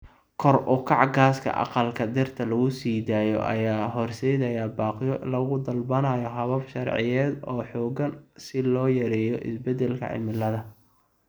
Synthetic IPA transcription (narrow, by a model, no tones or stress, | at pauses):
kʰɔrʔʊkʰɑʕɡaːskʰɐ̰ʔɑ̰qɑlkʰɐd̪ɛrt̪ʰɐlɐɣʊsiːd̪aːjɔ̰ʔɐ̰jaːɦɔrsɛjðɐjaːbaːqjɔlɐɣʊd̪ɐlbɐnajɔɦɐβɐbʃɑrʕɪ̰jɛːd̪ɔːħɔːɡɐnsɪlɔːjɐɾɛːjɔʔɪ̰sbɛd̪ɛlkʰɐ̰ʕɪ̰mɪlːɐðɐ